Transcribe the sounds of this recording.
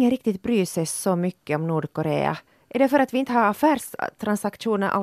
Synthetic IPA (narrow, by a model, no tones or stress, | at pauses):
ŋːənɾɪk̚t̪ɪt̪̚bɾyːsɛjsɔmʏkːəɔmnuːɖkɔɾḛːa̰ | ʔæɖɛfœɾat̪ʋɪɪnt̪əhɑɾafæːɾʂt̪ʰɾansakʂuːnəɾʔa̰